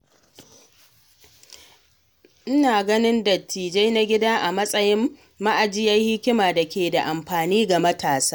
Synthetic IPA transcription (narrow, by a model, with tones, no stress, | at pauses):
ʔɪ˦naː˨ɡɐ˦nɪ˦ndɐ˨tʰːiː˨d͡ʒa˦jna˦ɡʲɪ˦da˦ʔa˨mɐ˦sʼɐ˦jɪ˦mː | a˦ʔa˨d͡ʒɪ˦ja˦jhɪ˦kʲɪ˦maː˨da˨kʲeː˨da˨ʔa˨mɸaː˨niː˦ɡa˨mɐ˦tʰaː˨saː˦